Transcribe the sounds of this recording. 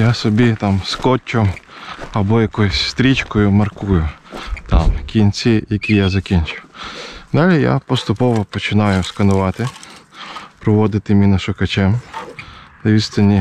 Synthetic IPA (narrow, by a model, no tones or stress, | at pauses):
jasɔbʲit̪ɑmskɔt͡ʃʲːʊ | ɐbɔjɐkɔjʊsʲst̪ɾʲit͡ʃkɔjʊmɐrkujʊt̪ɑmkʲinʲt͡sʲijɐkʲijazɐkʲinʲt͡ʃʊwd̪ɑlʲija̰pɔst̪ʊpɔʋɔpɔt͡ʃɪnɑjʊskɐnʊʋɑt̪ɪ | pɾɔʋɔd̪ɪt̪ɪmʲinɐʃʊkɐt͡ʃɛm | nɐʋʲist̪ɐnʲːi